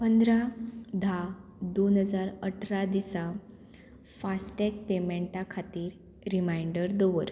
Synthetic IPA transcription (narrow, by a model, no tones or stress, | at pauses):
pənd̪ɾad̪ʱad̪onɦəd͡zaɾəʈʰɾad̪isa | fasʈek̚pemeɳʈakʰat̪iːɾ | ɾimajɳɖəɾd̪oʋəɾ